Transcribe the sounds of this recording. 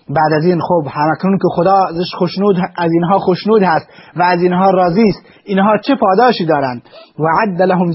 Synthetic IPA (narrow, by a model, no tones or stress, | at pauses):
bæːd̪æziːnxoːbhæmæknuːnkexod̪ɑːzeʃxoʃnuːd̪æziːnɦɒːxoʃnuːd̪hæst̪væːzinɦɒːɾɒːziːst̪ | inɦɒːt͡ʃʰepʰɒːd̪ɑːʃiːd̪ɒːɾænd̪waʕad̪ːælaɦʊm